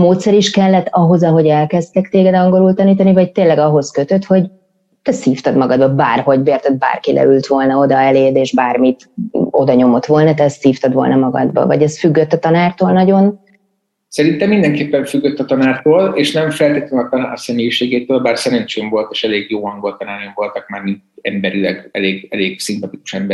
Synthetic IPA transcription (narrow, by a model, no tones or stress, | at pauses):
moːt̪sɛɾiʃkɛlːɛt̪ːɒɦo̞zɒɦo̞ɟɛlkɛst̪ɛkt̪eːɡɛd̪ɒŋɡo̞ɾult̪ɒniːt̪ɒnivɒct̪eːlːɛɡɒɦo̞skøt̪øt̪ho̞ɟ | t̪ɛsiːft̪ɒd̪mɒɡɒd̪bɒbaːrho̞ɟbeːrt̪ɛd̪̚ba̰ːrkilɛ̰ylt̪ʋo̞lnɒo̞d̪ɒɛleːd̪eːʒbaːrmit̪ | o̞̰d̪ɒɲo̞mo̞t̪ʋo̞lnɒt̪ɛsiːft̪ɒd̪vo̞lnɒmɒɡɒ̰d̪bɒ̰vɒ̰ɟɛsfyɡːøt̪ːɒt̪ɒnaːrt̪oːlnɒɟo̞n | sɛɾint̪ɛmːind̪ɛŋkeːpːɛɱfyɡːøt̪ːɒt̪ɒnaːrt̪oːleːʃnɛɱfɛlt̪eːt̪løɒt̪nsɛmeːjiʃeːɡeːt̪øːlbaːrsɛɾɛɲt͡ʃeːɱvo̞lt̪eːʃɛleːɡjoːɒŋɡo̞lt̪ɒnaːɾeɱvo̞lt̪ɒk̚maːrninɛmbɛɾilɛɡɛleːɡɛleːɡsimpɒt̪iku̥ʃɛmbɛ